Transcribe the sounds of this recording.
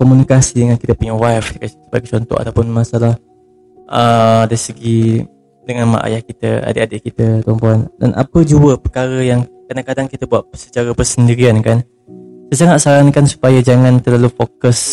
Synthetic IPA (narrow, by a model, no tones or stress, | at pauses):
kɔmunikasidəŋankit̪əpuɲawafikaəbaɡat͡ʃɔnt̪ɔ̰ha̰t̪awpʊnmasalah | ʔədaɾisəɡi | dəŋanma̰ʔa̰jahkit̪ə̰a̰deʔadeʔkit̪ət̪uampuanda̰nʔa̰pəd͡ʒuəpəkaɾəjaŋkadaŋkadaŋkit̪əbuat̪̚sə̥t͡ʃaɾəpərsəndiɾiankan | səs̬aŋat̪̚saɾaŋkansu̥pajad͡ʒaŋãnt̪ərlalufokəs